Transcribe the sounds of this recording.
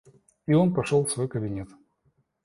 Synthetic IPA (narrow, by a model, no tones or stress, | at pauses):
io̞npɐʂolˠfsvo̞jkəbʲɪnʲet̪